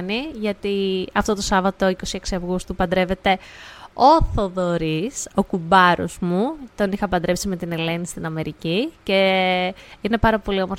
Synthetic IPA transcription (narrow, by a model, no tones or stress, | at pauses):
niʝɐt̪iɐft̪o̞t̪o̞sɐvɐt̪o̞iko̞sieksiɐvɣust̪upɐnd̪ɾe̞ve̞t̪e̞o̞θoðo̞ɾiso̞kubɐɾo̰zmut̪o̞nixɐpɐnd̪ɾepsime̞t̪ine̞le̞nist̪inɐme̞ɾicice̞ | ine̞pɐɾɐpo̞lio̞moɾ